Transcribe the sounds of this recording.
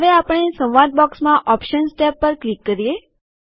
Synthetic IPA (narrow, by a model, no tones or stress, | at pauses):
ɦəʋeapəɳesə̃wʋaɾʈ̪̚bɔksmãʔɔpʃənsʈɛpːəɾklikːəɾije